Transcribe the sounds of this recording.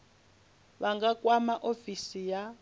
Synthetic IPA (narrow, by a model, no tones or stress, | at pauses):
βaŋɡakʼwamaʔofisija